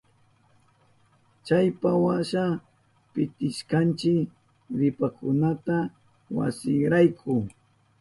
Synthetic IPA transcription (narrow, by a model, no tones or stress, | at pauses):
t͡ʃajpawaʃa | pɪt̪ɪʃkant͡ʃɪk | ɾɪpakʊnat̪a | wa̰sɪŋɾajkʰʊ